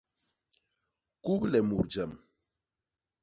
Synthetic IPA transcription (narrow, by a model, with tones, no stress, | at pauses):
ku˦plɛ˨mu˨ɾd͡ʒɛ˨m